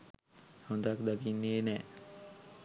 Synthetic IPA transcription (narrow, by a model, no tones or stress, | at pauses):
hond̪akd̪aɡinːeːnɛː